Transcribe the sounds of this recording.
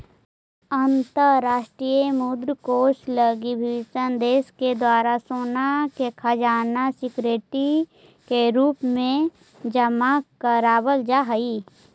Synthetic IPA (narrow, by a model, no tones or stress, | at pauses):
ənt̪əɾaːʃʈɾiːjemud̪ɾkoːt͡ʃləɡibʱisə̃nd̪eːsked̪waːɾasoːnakekʰad͡ʒaːnasɪkɾeːʈi | keɾuːpmẽ | d͡ʒəmakəɾaːbəld͡ʒaɦəi